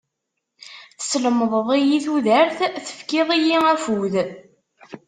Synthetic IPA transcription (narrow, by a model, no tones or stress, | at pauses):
θəsələməðˤəðˤijiθuðəɾθθə̥fkɪðˤijiæfuð